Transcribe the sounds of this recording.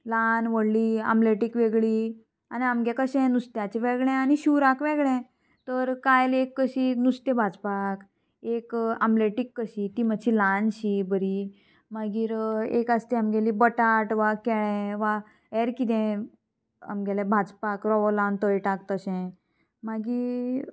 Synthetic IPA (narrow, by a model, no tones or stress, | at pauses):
lanʋəɽlia̰mbleʈikʋeɡɭi | aniamɡɛ̃kəɕɛ̃nust̪jat͡ɕɛʋɛɡɭɛ̃aniɕuɾakʋɛɡɭɛ̃ | t̪əɾkajlekːəɕinust̪jɛ̃bʱad͡zpak | ekamleʈikːəɕit̪iməɕʰilanɕibəɾi | maɡiːɾḛkast̪iamɡɛlibəʈaʈʋakɛɭɛ̃ʋa | ɛɾkit̪ɛ̃ | a̰mɡɛlɛbʱad͡zpakɾɔʋɔlãnt̪əjʈakt̪əɕɛ̃ | maɡiː